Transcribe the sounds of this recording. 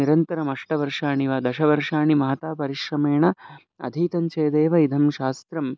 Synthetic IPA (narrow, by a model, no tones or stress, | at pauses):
iɾɐnt̪ɐɾɐmɐʂʈɐʋɐɾʂaːɳiʋaːd̪ɐʃɐʋɐɾʂaːɳimɐɦɐt̪aːpɐɾiʃɾɐmeːɳɐ | ɐ̰d̪ʱiːt̪ɐɲt͡ʃɐːd̪eːʋɐid̪ʱɐmʃaːst̪ɾɐm